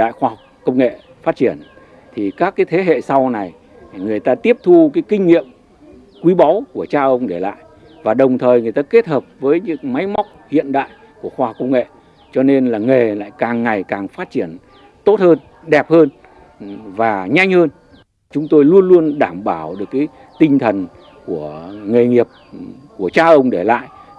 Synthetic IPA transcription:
a̰ː˧˨jxwaː˧ha˨˩k͡p̚kə˧wŋ͡mŋḛ˧˨ | faː˦˥t̚t͡ɕi˧˩ən | t̪ʰi˨˩kaː˦˥kːaː˨˦jt̪ʰe˨˦ɦḛ˧˨sa˧wna˨˩j | ŋɨ˨˩əjt̪aː˧t̪i˦˥əp̚t̪ʰu˧kaː˨˦jkï˧ŋ̟ŋḭ˧˨əm | kwi˨˦ɓɔ˨˦wku˧˩ət͡ɕaː˧ʔə˧wŋ͡mɗe˧˩la̰ː˧˨j | vaː˨˩ɗə˨˩wŋ͡mt̪ʰəː˨˩jŋɨ˨˩əjt̪aː˧ke˦˥t̚həː˨˩p̚vəː˨˦jɲɨ̰˧˥ŋma˨˦jma˦˥wk͡p̚hḭ˧˨ənɗa̰ː˧˨j | ku˧˩əxwaː˧hɔ˨˩k͡p̚kə˧wŋ͡mŋḛ˧˨ | t͡ɕɔ˧ne˧nlaː˨˩ŋe˨˩la̰ː˧˨jkaː˨˩ŋːa˨˩jkaː˨˩ŋfaː˦˥t̚t͡ɕi˧˩ən | t̪o˦˥t̚həː˧n | ɗɛ˨˩p̚həː˧n | vaː˨˩ɲa˧jŋ̟həː˧n | t͡ɕʊ˨˦ŋ͡mt̪o˧jlu˧ənlu˧ənɗaː˧˩mɓaː˧˩wɗɨ˨˩əkːaː˨˦j | t̪ï˧ŋ̟t̪ʰə˨˩n | ku˧˩əŋe˨˩ŋi˨˩əp̚ | ku˧˩ət͡ɕaː˧ʔə˧wŋ͡mɗe˧˩la̰ː˧˨jʔ

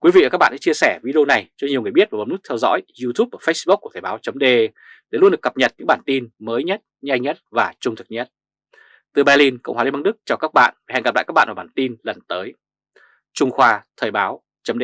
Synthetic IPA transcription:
kwi˨˦vḭ˧˨˩kːa˦˥ɓa̰ː˧˨sɛ̰˧˥t͡ɕi˧əsɛ˧˩vi˧ɗi˧o˧na˨˩jt͡ɕɔ˧ɲi˨˩əwŋɨ˨˩jɓi˦˥ət̚va˨˩˨ŋ͡mnɨ˦˥t̪ʰɛ˧wzɔ̰˧˥jzu˧t̪ʰu˦˥p̚ʔəː˧˩fə˦˥s̚ɓʊ˦˥k̚ku˧˩ət̪ʰːɓaː˨˦wt͡ɕə˨˦ŋ͡mɗe˧ | ɗe˧˩lwnɗɨ˨˩əkə˨˩p̚ɲə˨˩t̚ɲɨ̰˧˥ɓaː˧˩nt̪i˧nməː˨˦jɲə˦˥t̚ɲa˧jŋɲə˦˥t̚vaː˨˩t͡ɕʊ˧ŋ͡mt̪ʰɨ˨˩k̚ɲə˦˥t̚ | t̪ɨ˨˩ɓaː˧li˧nkə̰˧˨ŋ͡mhaː˨˧li˧ɓa˧nɗɨ˦˥k̚t͡ɕaː˨˩wkaː˦˥k̚ɓa̰ː˧˨nva˨˩hɛ̰˧˨ŋɡa˨˩la̰˧˨˩kːa˦˥ɓ̰ːvaː˨˩ɓaː˧˩t̪i˧nlə˨˩nt̪əː˨˦j | t͡ɕʊ˧ŋ͡mxwaː˧t̪ʰəː˨˩jɓaː˨˦w | t͡ɕə˨˦ŋ͡mɗe˧

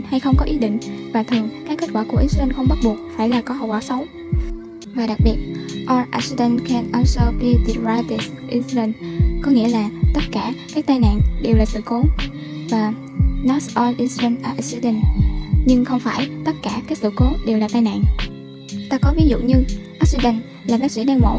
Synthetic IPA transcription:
nha˧jxə˧wŋ͡mkɔ˨˦ʔi˨˦ɗḭ̈˧˨ŋ̟vaː˨˩t̪ʰɨ˨˩əŋkaː˨˦ke˦˥t̚kwaː˧˩ku˧˩əʔi˨˦slə˧nxə˧wŋ͡mɓa˦˥t̚ɓu˨˩ət̚faː˧˩jlaː˨˩kɔ˨˦ɦə˨˩wa˧˩sə˨˦wŋ͡m | vaː˨˩ɗa˨˩k̚ɓi˨˩ət̚ʔɔ˧ʔa˧si˧ɗə˧nkʰɛ˧nʔɔ˧sɔ˧pi˧t̪i˨˩va˧t̪i˧˩sʔi˧slə˧nkɔ˨˦ŋḭ˧˥əlaː˨˩t̪ə˦˥t̚kaː˧˩kaː˦˥k̚t̪aː˧jna̰ː˧˨nɗe˨˩wlaː˨˩sɨ̰˧˨ko˨˦ | vaː˨˩ | nɔ˨˦˥sʔɔ˧lʔi˧nsi˧lə˧nʔəː˨˩ʔsi˧ɗə˧˩nɲɨ˧ŋxə˧wŋ͡mfaː˧˩jt̪ə˦˥t̚kaː˧˩kaː˨˦˥k̚sɨ̰˧˨ko˨˦ɗe˨˩wlaː˨˩t̪aː˧jna̰ː˧˨n | t̪aː˧kɔ˨˦vi˨˦zṵ˧˨ɲɨ˧ʔa˦˥k̚si˧ɗə˧˩n | laː˨˩ɓaː˦˥k̚sḭ˧˥ɗaː˧wmo̰˧˩˦

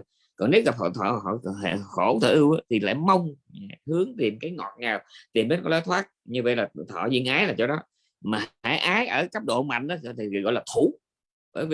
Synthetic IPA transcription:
kɔ˨˩n˦˥t̚ɣa˨p̚t̪ɔ̰˧˨t̪ʰɔ̰ː˧ɦɔ̰˧˨ɦḛ˧˨xo˧˩t̪ʰəː˧˨ʔɨ˧wʔaː˨˦t̪ʰi˨˩la̰ː˧˨jmə˧wŋ͡mhɨ˨˦əŋt̪i˨˩əmkaː˨˦jŋɔ̰˨˩t̚ɲaː˨˩wt̪i˨˩mɗe˨˦nkɔ˨˦lɔ˨˦t̪ʰwaː˦˥t̚ɲɨ˧və̰˧˨jlaː˨˩t̪ʰɔ̰˧˨zḭ˧ənʔaː˨˦jlaː˨˩t͡ɕɔ˧ɗɔ˨˦ | maː˨˩a̰ː˧˩jʔaː˨˦jʔəː˧˩kaː˦˥p̚ɗo̰˧˨ma̰˧˨jŋ̟ʔaː˨˦˥t̪ʰi˨˩˨ɣɔ̰˧˨laː˨˩t̪ʰu˧˩˦ | vəː˧˦jv

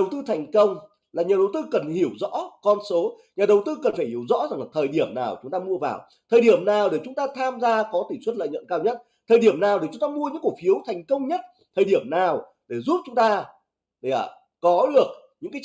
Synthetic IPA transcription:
ə˨˩wt̪ɨ˧t̪ʰɛ˨˩jŋ̟kə˧wŋ͡m | laː˨˩ɲaː˨˩ɗə˨˩wt̪ɨ˧kə˨˩nhi˧˩əwzɔ̰˧˥kɔ˧nso˨˦ | ɲaː˨˩ɗə˨˩wt̪ɨ˧kə˨˩nfaː˧˩jhi˧˩əwzɔ̰˧˥za˨˩ŋla˨t̪ʰəː˨˩jɗi˧˩əmnaː˨˩wt͡ɕʊ˨˦ŋ͡mt̪aː˧mu˧əva̰ː˨˩w | t̪ʰəː˨˩jɗi˧˩əmnaː˨˩wɗe˧˩t͡ɕʊ˨˦ŋ͡mt̪aː˧t̪ʰaː˧mzaː˧kɔ˨˦t̪i˧˩swə˦˥t̚lə̰ː˧˨jɲə̰˧˨nkaː˧wɲə˦˥t̚ | t̪ʰəː˨˩jɗi˧˩əmnaː˨˩wɗe˨˩kt͡ɕʊ˨˦ŋ͡mt̪aː˧mu˧əɲɨ̰˧˥ŋku˨˩k̚fi˨˦əwt̪ʰa˨˩jŋ̟kə˧wŋ͡mɲə˦˥t̚ | t̪ʰəː˨˩ɗi˧˩əmnaː˨˩w | ɗe˧˩zu˦˥p̚t͡ɕʊ˨˦ŋ͡mt̪aː˧˨˧ | ə˨˩ | kɔ˨˦ɗɨ˨˩ək̚ | ɲɨ̰˧˥ŋkaː˨˦

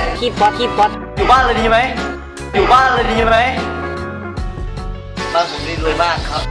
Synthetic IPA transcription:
kʰi˦˥˩t̪̚waː˧˥˩kʰiː˥˩t̪̚wa˦˥˩ | juː˨˩baː˥˩nlɤː˧jdiː˧ma˦˥j | juː˨˩baː˥˩nlɤː˧jdiː˧ma˦˥j | maː˧ŋso˨˩m̚li˦˥t̪̚lɤː˧jmaː˥˩kʰːa˦˥p̚

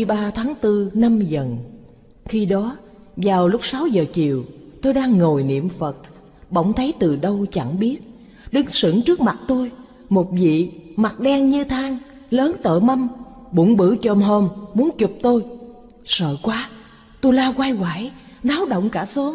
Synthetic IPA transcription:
ɓaː˧t̪ʰaː˨˦ŋt̪ɨ˧na˧mzə˨˩n | xi˧ɗɔ˨˦ | vaː˨˩wlʊ˦˥k͡p̚sa˨˦wzəː˨˩t͡ɕi˨˩əwt̪o˧jɗaː˧ŋːo˨˩jnḭ˧˨əmfə˨˩t̚ | ɓə̰˧˩wŋ͡mt̪ʰə˨˦jt̪ɨ˨˩ɗə˧wt͡ɕa˧˩ŋɓi˦˥ət̚ | ɗɨ˨˦ŋsɨ̰˧˩əŋt͡ɕɨ˦˥ək̚ma˨˩t̚t̪o˧j | mo˨˩t̚vḭ˧˨ma˨˩t̚ɗɛ˧ŋɲɨ˧t̪ʰaː˨˦ŋ | ləː˨˦nt̪ə̰ː˧˨mə˧mɓu˧˩nɓɨ˧˩˥t͡ɕə˧˩mɦo˧mmu˨˦ənt͡ɕʊ˨˩k͡p̚t̪o˧j | sə̰ː˧˨kwaː˨˦ | t̪o˧jlaː˧kwa˧jɣwaː˧˩jnaː˨˦wɗə̰˧˨wŋ͡mkaː˧˩so˨˦

